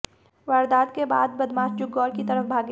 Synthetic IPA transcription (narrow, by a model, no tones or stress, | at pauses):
ʋaːɾd̪aːt̪keba̰ːd̪̚bɐd̪maːsd͡ʒʊɡːɔːɾkit̪ɐɾəfbʱaːɡ